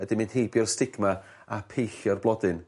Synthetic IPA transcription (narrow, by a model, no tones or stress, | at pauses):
ədɪmɪnd̥hejbjɔrstɪɡma | apʰejɬjɔrblˠɔdɨn